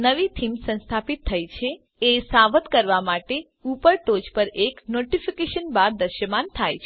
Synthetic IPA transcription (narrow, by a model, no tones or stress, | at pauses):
nəʋit̪ʰimsə̃nst̪ʰapit̪ʰːəjt͡ʃʰe | esaʋət̪kəɾʋamaʈe | upəɭʈod͡ʒpəɾeknoʈifʰikeʃənbaɾd̪əɾʃəmant̪ʰajt͡ʃʰe